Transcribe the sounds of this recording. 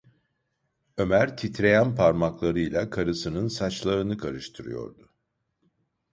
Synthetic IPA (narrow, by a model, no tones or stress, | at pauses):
ø̞mæɾt̪ʰit̪ɾe̞jænpʰaɾmaklˠaɾɯjlʲˠakʰaɾɯsɯnɯnsat͡ʃlˠaɾɯnɯkʰaɾɯʃt̪ʰɯɾɯ̰jo̞̰ɾd̪ʊ